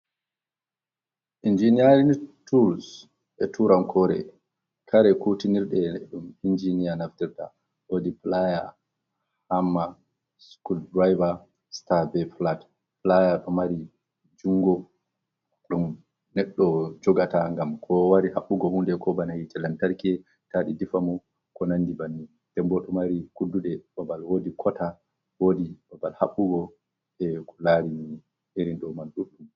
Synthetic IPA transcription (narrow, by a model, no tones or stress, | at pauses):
ʔind͡ʒinijaɾintuls | ɛtuɾamkʰɔɾɛ̰ | kʰaɾɛkutiniɾɗɛɗumind͡ʒinijanaftiɾta̰ | wodiplaja | hamːa | skuldɾajva | stabɛflat | plajaɗɔmaɾi | d͡ʒuŋɡɔ | ɗɔm | nɛɗːɔd͡ʒɔɡataŋɡamkʰɔwaɾihaɓːuɡɔhundɛkʰɔbanahitɛlantaɾkɛ | taɗidifamu | kɔnanːdibanːi | tɛmbɔɗɔmaɾikudːuɗɛbabalwoːdikʰɔta | woːdibabalhaɓːuɡɔ | ɛkʰɔlaɾimi | ʔeɾinɗɔmalɗuɗum